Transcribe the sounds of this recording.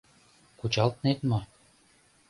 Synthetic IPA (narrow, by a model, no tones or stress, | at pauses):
kut͡ɕɑlt̪net̪mɤ